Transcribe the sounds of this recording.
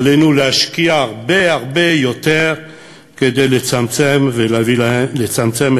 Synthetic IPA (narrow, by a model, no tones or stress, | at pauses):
lenulehaʃkiaːʁbe̞aʁbe̞jo̞t̪eʁ | ke̞d̪ejlet͡samt͡semvelvilet͡samt͡sem